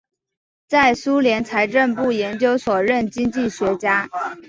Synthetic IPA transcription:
t͡sa˥˩ɪsu˥ljɛ˧˥nt͡sʰa˧˥ɪʈ͡ʂə˥˧npu˥˩jɛ˧˥nt͡ɕjo˥ʊswɔ˨˩ɻə˥˩nt͡ɕi˥ŋt͡ɕi˥˩ɕɥɛ˧˥t͡ɕja˥

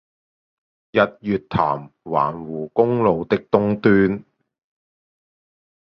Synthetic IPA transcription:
jɐ˨t̚jyː˨t̚t̪ʰa̰ː˨˩mwa̰ː˨˩nwuː˨˩kʊ˥ŋlo˨˧wt̪ɪ˥k̚t̪ʊ˥ŋt̪yː˥n

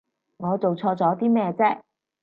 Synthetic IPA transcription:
ŋɔː˨˧t͡so˨wt͡sʰɔː˧t͡sɔː˨˥t̪iː˥mɛː˥˧t͡sɛː˥

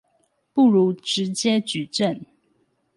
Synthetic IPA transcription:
pu˥˩ɻu˧˥ʈ͡ʂɻ̩˧˦t͡ɕjɛ˥t͡ɕy˨˩ʈ͡ʂə˥˨n

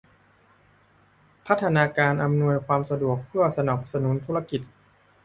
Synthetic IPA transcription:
pʰa˦˥t̪ʰːa˧naː˧kaː˧nʔa˧mnu˧əjkʰwaː˧msa˧du˨˩ək̚pʰɯ˥˩ɐsa˧naː˨˩k̚sa˧nu˩˦nt̪ʰu˦˥a˧ki˨˩t̪̚

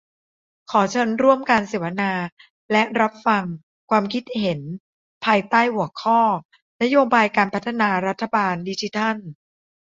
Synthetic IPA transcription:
kʰɔː˩˦t͡ɕʰɤ˦˥nɾu˥˩əmka˧nseː˩˦wa˦˥naː˧ | lɛ˦˥ɾa˦˥p̚fa˧ŋ | kʰwaː˧mkʰi˦˥t̪̚he˩˦n | pʰaː˧jt̪aː˥˩jhu˩˦əkʰɔː˥˩ | na˦˥joː˧baː˧jkaː˧npʰa˦˥t̪ʰːa˧naː˧ɾa˦˥t̪ʰːa˧baː˧ndi˧t͡ɕi˦t̪ʰa˥˩n

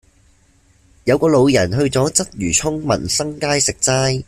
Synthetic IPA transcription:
jɐ˨˧wkɔː˧lo˨˧wjɐ˨˩nɦɵ˧ɥt͡sɔː˨˥t͡sɐ˥t̚jyː˨˩t͡sʰʊ˥ŋmɐ̰˨˩nsɐ˥ŋkaː˥jsɪ˨k̚t͡saː˥j

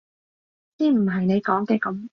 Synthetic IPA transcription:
t͡siː˥m̩˨˩ɦɐ˨jne˨˧jkɔː˨˥ŋkɛː˧kɐ˨˦m

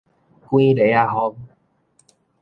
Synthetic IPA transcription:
kw̃ĩ˦le˨˦a˧ɦɔ˧˦ŋ

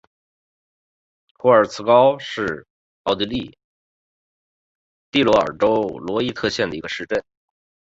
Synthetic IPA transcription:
xwɔ˧˥ə˞˨˩t͡sʰɹ̩˥˧kɑ˥ʊʂɻ̩˥˩ | ɑ˥˩ʊt̪i˧˥li˥˧˩ | t̪i˥˩lwɔ˧˥ə̰˞˨˩ʈ͡ʂo˥ʊlwɔ˧˥i˥t̪ʰɤ˥˧ɕjɛ˥˩nd̪ə˩i˧˥ɡə˧ʂɻ̩˥˧ʈ͡ʂə˥˩n

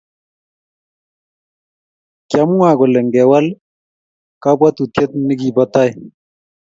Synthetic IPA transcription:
kja˨mu˦a˨ɡɔ˨lɛ˨ŋɡɛ˨wa˦l | ka˦bwa˦t̪u˨tjɛ˦t̪̚nɪ˦ɡi˨ba˦ta˦j

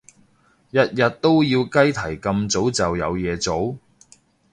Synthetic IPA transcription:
jɐ˨t̚jɐ˨t̚t̪ːo˥wjiː˧wkɐ˥jt̪ʰɐ˨˩jkɐ˧mt͡so˨˥wt͡sɐ˨wjɐ˨˧wjɛː˨˧t͡so˨˥w

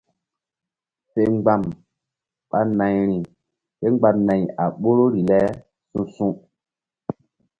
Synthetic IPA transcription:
se˨ŋ͡mɡ͡ba˨m | ɓa˦na˨jɾi˨ | ɓe˦ŋ͡mɡ͡ba˨nã˨ja˨ɓo˦ɾo˦ɾi˨lɛ˦ | sũ˦sũ˦

